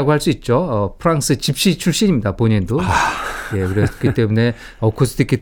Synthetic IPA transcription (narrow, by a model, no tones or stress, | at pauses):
aɡoɦaɭs͈uit̚t͡ɕ͈oʌpʰɯɾaŋs͈ʰɯt͡ɕip̚ɕ͈it͡ɕʰuɭɕ͈iɲimɲidapoɲendo | je̞kɯɾesk͈ʰit͈e̞mune̞ | ʌkʰos͈ʰɯdik͈i